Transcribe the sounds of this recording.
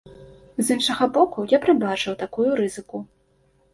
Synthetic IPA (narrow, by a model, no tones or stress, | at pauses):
zɨnʂɐɣɐbɔkujapɾɨbat͡ʂɨwt̪akujuɾɨzɨku